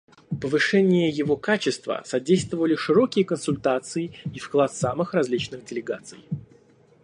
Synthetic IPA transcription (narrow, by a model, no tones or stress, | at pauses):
pəvɨʂɛnʲɪjəjɪvo̞kat͡ɕɪst̪və̰sɐdʲejst̪vəvəlʲɪʂɨɾo̞kʲɪjəkənsʊlʲt̪at̪sɨɪifklˠat̪samɨxrɐzʲlʲit͡ɕnɨxdʲɪlʲɪɡat̪sɨ̰j